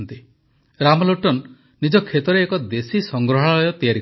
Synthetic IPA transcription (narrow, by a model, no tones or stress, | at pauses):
nt̪i | ɾamɔloʈɔn | nid͡ʒɔkʰet̪ɔɾeːkɔd̪esisɔŋɡɾɔɦaɔjɔt̪ijaɾi